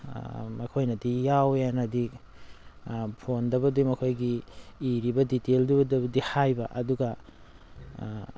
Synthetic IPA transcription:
mɐkʰojnɐdijawjanɐdi | pʰondɐbɐdumɐkʰojɡiːɾibɐditeldubɐdɐbɐdihajbɐʔɐduɡɐ

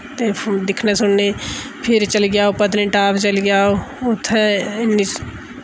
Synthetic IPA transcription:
t̪ed̪ɪkʰnesʊnnepʰɪɾt͡ʃəlɡjaːopət̪nĩʈaːbt͡ʃəlɡjaːoʊt̪ʰɛ̃ɪnːi

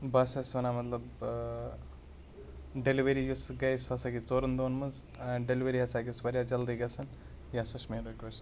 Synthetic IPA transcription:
bɐsɐsɐnamɐt̪lɐb | ɖeliʋeɾijusɡɐjsɐsaɡʲit͡soːɾɐnd̪oːnmɨzɖeliʋeɾiɦɐt͡saːɡʲisʋɐɾʲjad͡ʒɐld̪iɡɐsɐn | jasɐʃmeɾokʲos

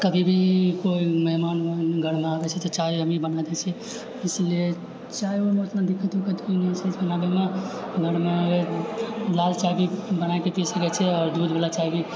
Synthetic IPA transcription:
kəbʱibʱikoiməɦmanənɡʱəɾmeabɛt͡ʃʰɛt̪ɔt͡ʃaiɦəmibənad̪ɛt͡ʃʰɛ | islie | t͡ʃajomeət̪nad̪ikʰət̪ukət̪koinɛisʰɛt͡ʃbənabemeɡʱəɾme | lalt͡ʃabʱibənajkepisəkɛt͡ʃʰɛɔːɾd̪ud̪bʱelat͡ʃaɦibʱi

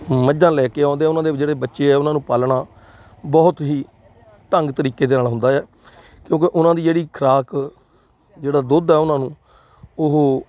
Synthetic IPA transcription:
məd͡ʒãːlɛːkeːɔ̃ːnd̪eːɛːʊnãːd̪eːd͡ʒeːɽeːbətːʃeːɛːʊnãːnũːpaːlɳaː | bɔːt̪ɦiː | ʈəŋɡt̪əɾiːkeːd̪eːnaːlɦʊ̃nd̪aːɛː | kjõːk̬eʔʊnãːd̪iːd͡ʒeːɽiːkʰɾaːk | d͡ʒeːɽaːd̪ʊd̪ɛːʊnãːnũː | ʊɦo

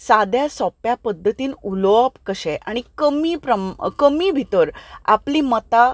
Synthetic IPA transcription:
sad̪ʱjasɔpjapəd̪ʱːət̪iːnuloapkəɕɛʔaɽ̃ikəmiːpɾəmkəmiːbʱit̪əɾa̰pliːmət̪a

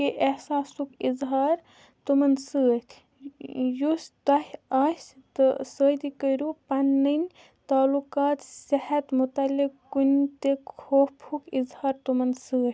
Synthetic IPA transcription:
keʔehsaːsukizɦaːɾ | t̪umɐnsəːt̪ | just̪ɐɦʲast̪əsəd̪ikəjɾupɐnːən | t̪aːlukaːt̪sehɐt̪mut̪ɐlːikkːunt̪ekʰoːpʰukizhaːɾt̪umɐnsəː

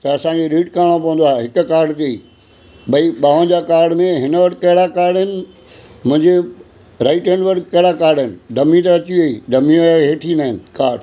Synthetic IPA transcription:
t̪ɐɐsãd͡ʑeɗiːʈkaːɽ̃opɐ̃ʋə̃nd̪oaːɦeɦɪkʊkaːɾɖt̪iəiː | ɓɐiɓaːʋə̃nd͡ʑaːkaːɾɖmẽɦɪnəʋɐʈ̆ʰkɐɦɪɽakaːɾɖɪnɪ̆ | mʊ̃ɦɪ̃ɲd͡ʑe | ɾaːɪʈẽnɖʋəɾkɐɦɪɽakaːɾɖɪnɪ̆ɖɐmit̪̬ɐɐt͡ɕiɐiːɖɐmiɦeːʈʰinaːɦɪnɪ̆kaːɾɖ

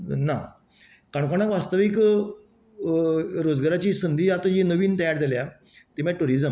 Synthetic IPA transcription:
na | kaɳkoɽ̃akʋast̪əʋik | ɾod͡zɡaɾat͡ɕiːsənd̪ʱiːat̪əɦinəʋiːnt̪əjaɾd͡z̪ʱelja | t̪emaʈuɾid͡zəm

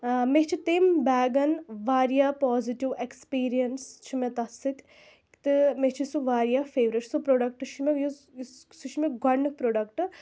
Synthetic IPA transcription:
met͡ʃʰit̪embɛːɡɐnʋaːɾijaːpɔːziʈiʋekspiːɾijɐnst͡ʃʰimet̪ɐsɨt̪ʲ | t̪ɨmet͡ʃʰisuʋaːɾijaːfeːʋɾeʈsupɾoːɖɐk̚ʈɨʃʰimej | suʃʰimeɡɐnːɨk̚pɾoːɖɐkʈɨ

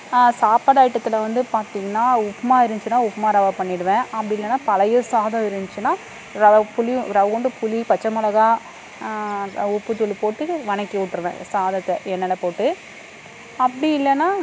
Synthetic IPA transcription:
saːpaɽaːɪʈːɐt̪ːɪlɐʋɐnd̪ɯpaːɾt̪iːŋɡɐnːaːʊpːɐmaːɪɾɯɲt͡ʃɯnːaːʊpːɐmaːɾɐʋɐpɐɳːɪɽɯʋẽːɐpːɐɽɪɪlːɐnːaːpɐlɐjosaːðɐ̃ɪɾɯnt͡ʃːɯnːaː | ɾɐpʊliɾɐʋɐkɔɳɖɯpʊlipɐt͡ʃːɐmɐlɐɣaː | ʊpːɯtɔlːipoːʈːɯʋɐɳɐkːiʋʊʈːɯɾɯʋḛ̃saːðɐt̪ːɛɛnːɐlɐpoːʈːɯ | ɐpːɐɽɪɪlːɛnːaː

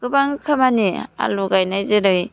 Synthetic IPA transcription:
ɡ̥ɯbaŋkʰamania̰luɡajnajzeɾɯj

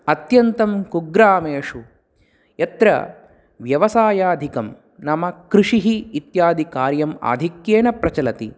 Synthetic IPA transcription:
ɐt̪jɐnt̪ɐmkuɡɾaːmeːʂu | jɐt̪ɾɐ̰ | ʋjɐʋɐsaːjaːd̪ʱikɐm | nɐmɐkɾiʂiɦiːt̪jaːd̪ʱikaːɾjɐma̰ːd̪ʱikjeːnɐpɾɐt͡ʃɐlɐt̪ḭ

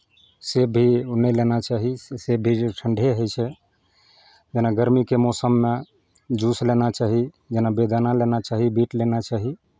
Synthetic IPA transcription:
sebʱinɛlenat͡ʃaɦisebʱiʈʰəɳɖʱeɦojt͡ʃʰɛ | d͡ʒenaɡəɾmikemɔsəmːe | d͡ʒuslenat͡ʃaɦi | d͡ʒenabed̪analenat͡ʃaɦibiʈlenat͡ʃaɦi

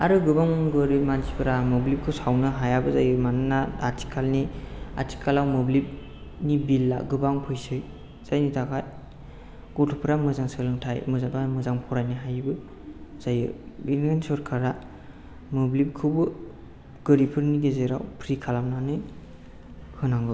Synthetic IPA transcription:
aɾɯɡɯbaŋɡɯɾimansʰipʰɯɾamoblip̚kʰɯwsawnɯɦajabɯzajɯmananaaɾtʰi̥kʰalnia̰tʰi̥kʰalawmɔblip̚ | nibilːa̰ɡɯbaŋpʰɯjsɯj | z̥ajnitʰakʰaj | ɡ̥ɔtʰɔpʰɯɾamɯzaŋsɯlɯŋtʰajmɯzatamɯzaŋpʰɔɾajniɦajbɯ | z̥ajɯbilajnsɔɾkʰaɾa | mɯblip̚kʰɯwbɯ | ɡ̥ɯɾipʰɯɾniɡezeɾawpʰɾikʰalamnanɯj | hʰɯnaŋɡɯ

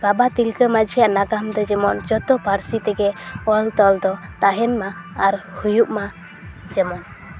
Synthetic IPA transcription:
babat̪ilkəmad͡ʒʱijaʔnaɡamd̪ɔd͡ʒɛmɔnd͡ʒɔt̪ɔpaɾsit̪ɛɡɛɔlt̪ɔld̪ɔt̪aɦɛnmaːɾhujuʔma | d͡ʒɛmɔn

